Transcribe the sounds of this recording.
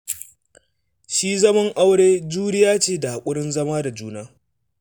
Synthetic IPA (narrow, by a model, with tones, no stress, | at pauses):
ʃiː˦zɐ˦mɐ˦ŋʔa˦wɽeː˦d͡ʒuː˦ɾɪ˦jaː˦t͡ʃeː˦da˨ha˨kʷʼʊ˦ɽɪ˦nzɐ˦maː˦da˨d͡ʒuː˦naː˦